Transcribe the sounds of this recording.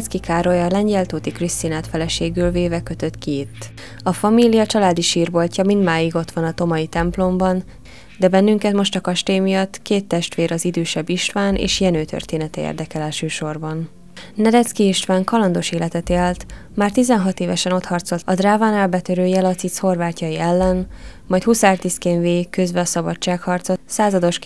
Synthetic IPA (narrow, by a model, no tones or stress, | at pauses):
t̪skikʰaːɾo̞jɒːlɛɲɟɛlt̪oːt̪ikrist̪inaːt̪fɛlɛʃeːɡylveːvɛkø̞t̪ø̞t̪keːt̪ː | ɒfɒmilijɒt͡ʃɒlaːd̪iʃiːrbo̞lcɒmind̪maːjiɡo̞t̪ʋɒnɒt̪o̞mɒit̪ɛmplo̞mbɒn | d̪ɛbɛnːyŋkɛt̪mo̞ʃt̪ɒkɒʃt̪ejmijɒt̪ːkeːt̪ːɛʃt̪ʋeːɾɒzid̪øːʃɛbːiʃt̪ʋaːnʔḛːʃjɛnøːt̪ø̰rt̪eːnɛt̪ɛḛːrd̪ɛkɛlɛlʃøːʃo̞rbɒn | nɛd̪ɛt̪skiiʃt̪ʋaːŋkɒlɒnd̪o̞ʃeːlɛt̪ɛt̪elt̪ | maːrt̪izɛnɦɒt̪eːvɛʃɛno̞t̪hɒrt̪so̞lt̪ɒd̪raːvaːnaːlbɛt̪øɾøːjɛlɒt̪sit̪sho̞rvaːcːɒjiɛlːɛn | mɒjt̪husaːrt̪iskeːnveːkøzbɛɒsɒbɒt͡ʃːaːkhɒrt̪sosaːzɒd̪o̞ʃk